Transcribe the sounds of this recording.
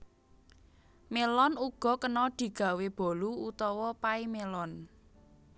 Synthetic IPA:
melɔnuɡ̥ɔ̤kənɔd̪̥i̤ɡ̥a̤web̥ɔ̤luut̪ɔwɔpaimelɔn

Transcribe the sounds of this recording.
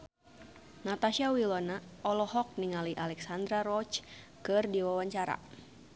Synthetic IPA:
nat̪aʃiawilɔnaʔɔlɔhɔk̚niŋaliʔalɛksand̪ɾaɾɔt͡ʃ | kɨrdiwawaɲt͡ʃaɾa̰

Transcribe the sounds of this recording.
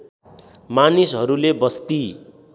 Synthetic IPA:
manisɦʌɾulebʌst̪i

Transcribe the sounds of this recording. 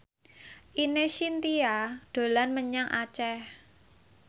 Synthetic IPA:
ʔineʃint̪iad̥o̤lanməɲaŋʔa̰t͡ʃɛh

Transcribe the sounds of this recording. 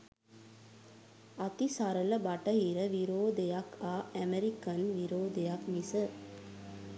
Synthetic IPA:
at̪isaɾələbaʈəɦiɾəʋiɾoːd̪ejakaːæmeɾikənʋiɾoːd̪ejakmisə

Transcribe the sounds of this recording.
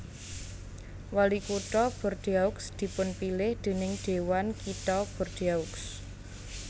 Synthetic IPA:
walikuʈ̪ɔb̥ɔ̤rd̪̥iaʊksd̪̥i̤pʊnpilɪhd̪̥e̤nɪŋd̪̥e̤wankit̪ɔb̥ɔ̤rd̪̥iauks

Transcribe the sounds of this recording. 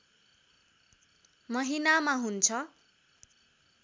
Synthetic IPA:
mʌɦinamaɦunt͡sʰʌ

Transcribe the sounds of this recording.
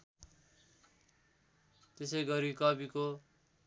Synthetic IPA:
t̪esʌjɡʌɾikʌbiko

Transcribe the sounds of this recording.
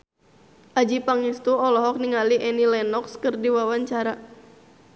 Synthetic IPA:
ʔad͡ʒipaŋist̪uɔlɔɦɔk̚niŋaliʔɛnilɛnɔkskɨrdiwawaɲt͡ʃaɾa

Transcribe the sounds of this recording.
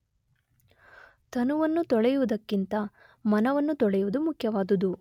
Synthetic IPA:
t̪ʰɐnuʋɐnːut̪ɔɭɛjuʋud̪ɐkːint̪ɐ | mɐnɐʋɐnːut̪ɔɭɛjuʋud̪umukʰjɐʋaːd̪ud̪u

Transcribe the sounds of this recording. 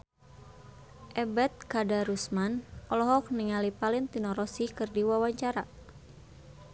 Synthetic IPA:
ʔɛbɛt̪̚kadaɾusmanʔɔlɔɦɔk̚niŋalipalɪnt̪inɔɾɔsikɨrdiwawaɲt͡ʃaɾa

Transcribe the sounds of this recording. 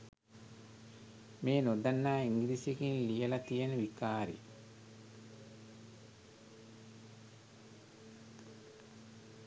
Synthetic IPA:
meːnod̪anːaːiŋɡiɾisekinlijəlɐt̪ijenəʋikaːɾḭ

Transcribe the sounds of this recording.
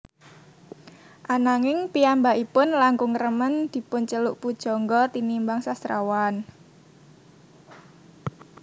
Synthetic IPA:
ʔanaŋɪŋpiambaʔipʊnlaŋkʊŋrəmənd̪̥i̤pʊnt͡ʃəlʊʔpud̥ʒ̥ɔ̤ŋɡɔt̪inimbaŋsast̪ɾa̰wan

